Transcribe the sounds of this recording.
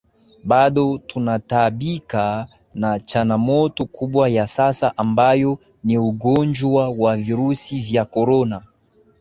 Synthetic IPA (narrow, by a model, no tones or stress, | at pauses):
ɓaɗɔtunataɓika | nat͡ʃaŋɡamɔtɔkʰuɓwajasasaʔambajɔ | niuɡɔnd͡ʒwawaviɾusivjakɔɾɔna